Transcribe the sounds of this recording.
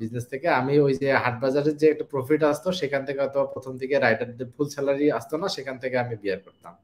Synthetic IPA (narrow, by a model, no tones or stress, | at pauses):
bid͡ʑnest̪ʰekeamiojd͡ʑeɦaʈ̚bad͡ʑaɾeɾd͡ʑeɛk̚ʈapɾofiʈ̬ast̪oʃekʰant̪ʰekeɦɔjt̪ʰobapɾot̪ʰomd̪ʱikeɾajʈaɾd̪epʰulsɛlaɾiast̪onaʃekʰant̪ʰekeamibiaɾkoɾt̪am